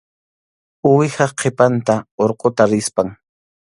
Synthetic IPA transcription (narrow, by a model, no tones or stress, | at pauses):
ʊwɪhɑqʰepant̪aoɾqʼot̪aɾɪspaŋ